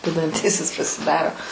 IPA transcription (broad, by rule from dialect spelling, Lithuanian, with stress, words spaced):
ʋʲɛdɐnʲˈtʲiːsʲɪs pɐsʲɪˈdɑːroː